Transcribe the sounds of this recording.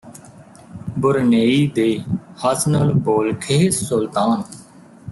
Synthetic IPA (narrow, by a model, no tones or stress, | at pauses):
bʊɾneːiːd̪eːhəsnəlboːlkʰeːsʊlt̪aːn